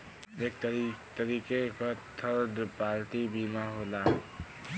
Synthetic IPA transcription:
eːk̚t̪t̪əɾiːkekat̪ʰəɾɖpaːɾʈibiːmaɦoːla

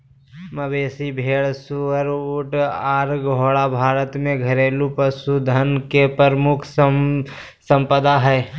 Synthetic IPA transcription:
məbeːsibʱeːɭsuəɾuʈaːɾɡoːɽabʱaːɾət̪mẽɡʱəɾeːlupəsud̪ʱənkepəɾmʊkʰ | sə̃mpəd̪aɦɛː

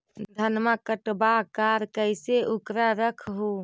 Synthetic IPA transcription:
d̪ʱənmakəʈbakaɾkəɪseʔukɾaɾəkʰɦu

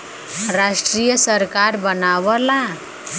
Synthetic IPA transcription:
ɾaʂʈɾijəsəɾkaɾbənaʋəla

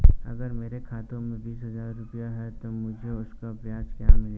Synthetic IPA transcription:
ɐ̰ɡəɾmeːɾekʰaːt̪õmẽbiːsɦɐzaːɾːʊpəjaɦɛt̪omʊd͡ʒʱeʊskapɾɐjaːskjamɪl

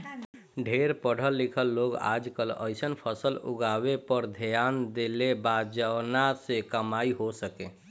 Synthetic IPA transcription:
ɖʱeɾpəɽ̤əlːikʰəlːoɡa̰d͡ʒkələ̰ɪsənpʰəsəlṵɡaʋepəɾd̪ʱjand̪elebad͡ʒəwnasekəmaiɦosəkẽ

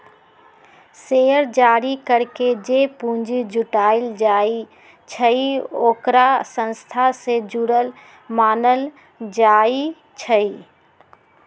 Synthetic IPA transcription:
seəɾd͡ʒaːɾikəɾked͡ʒepũɲd͡ʒid͡ʒʱʊʈaːɪld͡ʒai | t͡ʃʰəioːkɾasə̃nst̪ʰased͡ʒuɽəl | maːnəl | d͡ʒai | t͡ʃʰəi

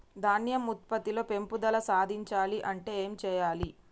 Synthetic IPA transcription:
d̪ʱaːnjɐmut̪̚pɐt̪ilo̞ːpe̞mpud̪ɐlɐsaːd̪ʱiɲt͡ʃaːliʔɐɳʈe̞ːeːmt͡ʃɛːjaːli

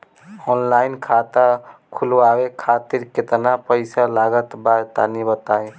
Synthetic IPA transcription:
ɔnlajnkʰat̪akʰulabekʰat̪iɾket̪napəɪsalaɡət̪baɾt̪anibət̪aj

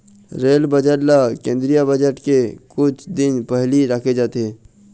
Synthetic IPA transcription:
ɾeːlbəd͡ʒəʈlakẽːnd̪ɾijabəd͡ʒəʈkekʊt͡ʃʰd̪ɪnpɛɦliɾakʰed͡ʒaːt̪eɦɛ̃ː

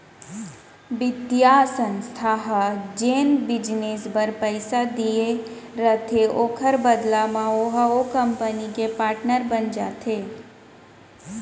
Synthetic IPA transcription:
ʋɪt̪ijasə̃nst̪ʰaɦəd͡ʒeːnbɪd͡ʒneːsbəɾpəɪsad̪ije | ɾət̪ʰeʔoːkʰəɾbəd̪lamãoɦokəmpənikepaːɾʈnəɾbənd͡ʒaːt̪ʰe

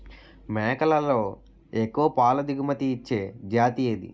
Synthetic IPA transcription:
mɛːkɐlɐlːo̞ː | ekːuɐpaːlɐd̪iɡumɐt̪iːt͡ʃːe̞ːd͡ʒaːt̪ijeːd̪ḭ

